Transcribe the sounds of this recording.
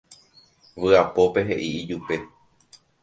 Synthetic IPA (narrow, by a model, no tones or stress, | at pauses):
ʋɨapo̞pe̞ɦe̞ʔiid͡ʒupe̞